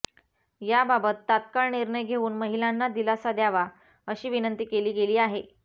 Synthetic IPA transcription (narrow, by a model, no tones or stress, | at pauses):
jababət̪ːat̪̚kaɭɳiɾɳəjɡʱeuːnməɦilanːad̪ilasad̪jaʋa | əɕiːʋinənt̪iːkeliːɡeliːaɦe